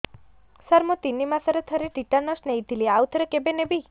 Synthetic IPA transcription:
səɾmot̪inːimãsəɾet̪ʰəɾeʈiʈanɔsnejd̪ʱiliawt̪ʰəɾekebenebi

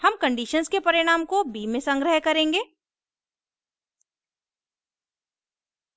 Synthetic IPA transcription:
hɐmkɐ̃ɳɖiːʃənskepɐɾɪɽ̃aːmkobiːmẽsɐ̃ŋɡɾəɦkɐɾẽːŋɡeː

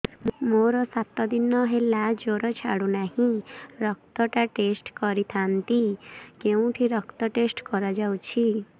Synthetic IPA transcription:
moɾɔsat̪ɔd̪inɔɦelad͡ʒoɾɔt͡ʃʰa̰ɽunahĩɾɔk̚t̪ɔʈaʈesʈkɔɾit̪ʰant̪ikeũʈʰiɾɔkt̪ɔʈesʈkɔɾɔd͡ʒawt͡ʃʰi

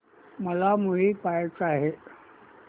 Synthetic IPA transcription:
məlamuɦiːpajt͡saɦe

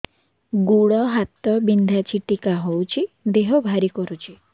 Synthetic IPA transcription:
ɡuɽɔɦat̪ɔbind̪ʱat͡ʃʰiʈikaɦowt͡ʃʰid̪eɦɔbʱaɾikɔɾut͡ʃʰi

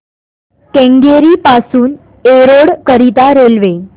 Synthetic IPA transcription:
kẽŋɡeɾiːpasuːn | eɾoɽkəɾit̪aɾelʋe

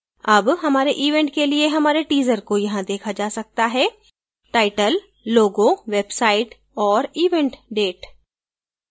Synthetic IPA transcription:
ɐbɦɐmaːɾeʔiːʋẽːɳʈkelieɦɐmaːɾeʈiːzəɾkojɐɦãd̪eːkʰad͡ʒaːsɐk̚t̪aɦɛː | ʈaːɪʈəlː | oːɡoʋeːbsaːɪʈ | ɔːɾiːʋɛ̃ɳʈɖeːʈ

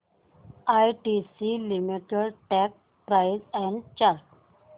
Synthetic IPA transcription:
ajʈisilimiʈeɽʈɛk̚ | pɾajzɛ̃ɳɖt͡ɕaɾk

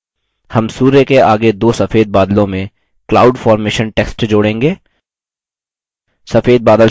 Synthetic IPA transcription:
hɐmsuːɾekeaːɡed̪oːsɐfeːd̪̚baːd̪lõmẽ | klaːʊɖfaːɾmeːʃənʈeːksʈd͡ʒoːɽẽːŋɡeː | sɐfeːd̪̚baːd̪əl

